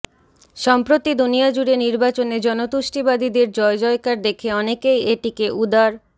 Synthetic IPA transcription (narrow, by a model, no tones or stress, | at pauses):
ʃɔmpɾot̪id̪unijad͡ʑuɽeniɾbat͡ɕoned͡ʑɔnot̪uʃʈibad̪id̪eɾd͡ʑɔed͡ʑɔekaɾd̪ekʰeɔnekejeʈikeʔud̪aɾ